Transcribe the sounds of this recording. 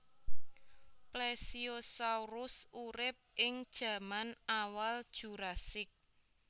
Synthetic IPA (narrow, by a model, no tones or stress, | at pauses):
plesiosauɾʊsuɾɪp̚ʔɪŋd̥ʒ̥ä̤manawald̥ʒ̥ṳɾasɪk̚